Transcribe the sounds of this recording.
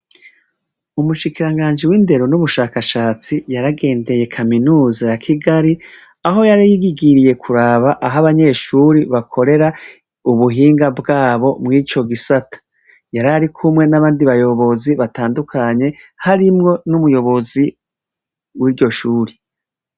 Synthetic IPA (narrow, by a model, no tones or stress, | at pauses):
umuʃikiɾaŋɡaːnd͡ʒiwiːnde̞ɾonuβuʃaːkaʃaːt͡sijaɾaɡe̞ːnde̞je̞kʰaminuːzajakʰiɡaɾi | aɦo̞jaɾajiɡiɡiɾije̞kʰuɾaːβaʔaɦaβaɲe̞ːʃuɾiβakʰo̞ɾe̞ɾa | uβuɦiːŋɡabɡaːβo̞mŋiːt͡ʃo̞ɡisatḁ | jaɾaɾikʰumŋe̞naβaːndiβajo̞βo̞ziβataːndukʰaɲe̞ | haɾimŋo̞numujo̞βo̞zi | wiɾɟo̞ʃuːɾi